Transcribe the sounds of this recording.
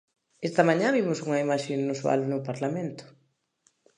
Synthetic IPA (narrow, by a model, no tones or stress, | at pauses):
est̪ɐmãɲãβimʊsuŋɐimaʃennuswa̰lnʊpaɾlamẽnt̪ʊ̥